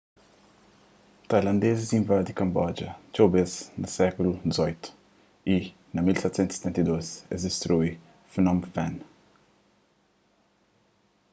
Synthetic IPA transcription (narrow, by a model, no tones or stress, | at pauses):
t̪ajlɐ̃nd̪ezizĩɱvɛɾd̪ikɐ̃mbɔd͡ʒɐt͡ʃowbeznɐsɛkulud̪izɔjt̪u̥ | i | nɐmilsɛt̪sẽnt̪set̪ɛ̃nt̪ɐd̪ozɛzd̪est̪ɾui | fenɔ̃mfɛ̃n